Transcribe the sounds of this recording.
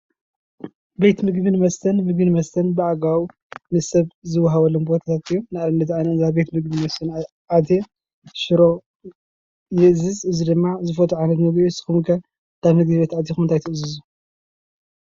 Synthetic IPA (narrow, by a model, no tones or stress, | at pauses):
be̞t̪mɨɡbinɨmɐst̪ʰɐnmɨɡ̚binɨmɐst̪ʰɐnbɨʔaɡaw | nɨsɐβzɨwːaɦɐβɐlombo̞t̪ʰat̪ʰat̪ɨjːonɨʔalɨnd̪ɐt̪ʕaniɨzabe̞t̪mɨɡbinmɐst̪ʰɐn | ʔad̪e | ʃɨɾo̞ | jɨʔzɨzɨzid̪ɨmːazɨfɐt̪ʰuʕanɐt̪mɨɡbsɨ̥xɨmɨɡɐ | d̪̥ʰaβmɨɡdiβet̪ʕad̪jexumɨnt̪ʰajt̪ʰɨʔɨzɨzu